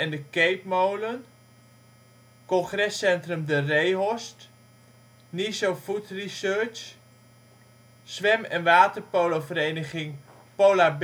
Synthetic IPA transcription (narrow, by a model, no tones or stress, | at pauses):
ɛndəkejpmowlən | kɔnχrɛsɛntrəmdərejɦɔst | nisofutrisøɹt͡ʃ | sʋɛmɛnʋaːtərpoːlofəɾeːnəχɪŋ | poːlab